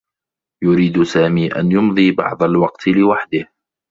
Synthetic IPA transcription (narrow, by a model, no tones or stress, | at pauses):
jʊɾiːd̪saːmiːʔa̰njʊmðˤiːbɑ̰ʕd̪ˤalwɑqt̪ʰlɪwaħd̪ɪh